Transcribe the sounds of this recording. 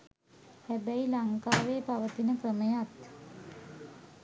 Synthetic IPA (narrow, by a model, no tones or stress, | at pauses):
hæbæilaŋkaːʋeːpaʋət̪inəkrəməjat̪